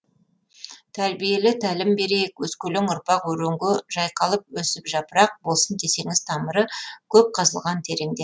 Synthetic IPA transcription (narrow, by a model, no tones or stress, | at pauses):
t̪ʰæɾbije̞lɪt̪ʰælɪmbe̞ɾekwɵskʲɵlɪŋʊɾpɑqwɵɾeŋɡʲɪʒ̥ɑjqɑlˠəp̚wɵsɪpʒɑpəɾɑq̚bo̞lˠsənt̪ʰe̞se̞ŋɪz̥t̪ʰɑməɾəkʲʰɵp̚qʰɑzəlˠʁɑnt̪ʰe̞ɾeŋd̪e̞